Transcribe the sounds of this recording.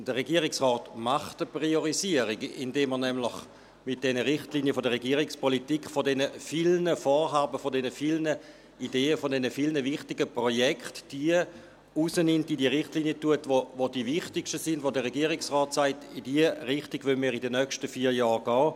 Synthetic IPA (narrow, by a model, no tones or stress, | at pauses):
d̥əʁeɡiəʁɪksʁɔːtmaχtəpʁioʁiziəʁiɡɪndeːmːənɛmlɪχ | mɪt̚d̥ɛnəʁɪχtliniəfodəʁeɡiəʁɪkspolitikχfodɛnəfilnəfoːʁɦaːbəfodɛnəfilnə | ideːəfodɛnəfilnəvɪχtɪɡəpʁojɛkχtd̥iə | usənɪmtidiəʁɪχtliːniətuətvovodivɪχtɪkʃtəsɪndvodəʁeɡiːəʁɪksʁɔːtsaɪtidiəʁɪχtiɡʋønmiːʁidənœkʃtəfiːɐjɑːʁɡ̥ɔː